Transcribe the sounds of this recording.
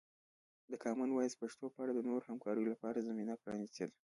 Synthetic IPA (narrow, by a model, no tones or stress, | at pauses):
d̪əkʰɑmanwɑjspaʂt̪opəɑɽad̪ənoɾohamkɑɾəjolapɑɾazaminapɾɑ̰nist̪əl